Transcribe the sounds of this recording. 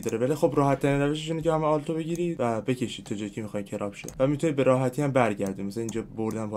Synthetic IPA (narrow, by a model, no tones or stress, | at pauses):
d̪ɒːɾevælixobɾɒːɦæt̪ʰːæɾinræveʃ̬eʃinecehæmeɒːlt̪ʰobe̞ɟiːɾi̥ːvæbe̞cʰe̞ʃiːd̪̚t̪ʰːɒd͡ʒɒːjicʰemixɒːjimcʰeɾʔɒːbʃḛvæmit̪ʰunibe̞ɾɒːɦæt̪ʰiːæmbæɾɟæɾd̪imæsææniːnd͡ʒɒːboɾd̪ænbʰɒ